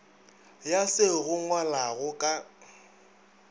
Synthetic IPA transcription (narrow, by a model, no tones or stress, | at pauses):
jasɪɣʊŋwalaɣʊkʼa